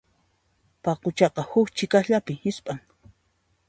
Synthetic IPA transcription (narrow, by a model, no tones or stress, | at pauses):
pɑqʊt͡ʃɑqɑhʊkt͡ʃɪkahʎapɪhɪspʼaŋ